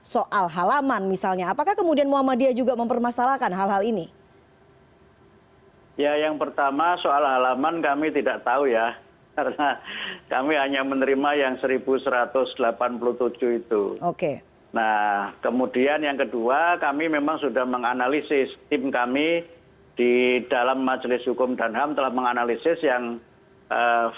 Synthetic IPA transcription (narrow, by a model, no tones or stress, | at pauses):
soʔalɦalamanmisalɲaːpakahkəmudianmuamadiad͡ʒuɡaməmpərmasalahkanɦalɦalini | jajaŋpərt̪amasoalɦalamankamit̪idaʔt̪auja | kaɾənakamiɦaɲamənəɾimajaŋsəɾibusəɾat̪ʊsd̥əlapanpuluht̪ud͡ʒʊhit̪ṵoke | nakəmudianjaŋkəduakamimemaŋsudahməŋanalisɪst̪ɪmkami | d̥id̥alamːad͡ʒlɪsɦukʊmdanɦamt̪əlahməŋanalisɪsjaŋ | ʔə